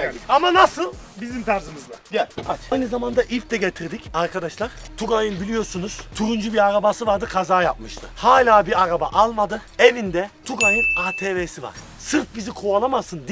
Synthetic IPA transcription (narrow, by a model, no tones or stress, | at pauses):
amanasɯlˠbizimt̪ʰaɾzɯmɯzd̪ˠaɟaat͡ʃajnɯzamand̪aʔift̪ɛɟet̪ʰiɾd̪icʰaɾkʰad̪aʃlˠaɾ̥t̪ʰuɡajɯnbilʲijo̞ɾsunuz̥t̪ʰuɾund͡ʒubiɾaɾabasɯvaɾd̪ɯkʰazaːjap̚mɯʃt̪ʰɯ̰haːlʲaːbiɾaɾaba̰ʔalˠmad̪ɯ | evind̪ɛt̪ʰuɡajɯnaːt̪ʰeːveːsiva̰ɾ̥ | sɯɾfbizikʰualˠamasɯnd̪i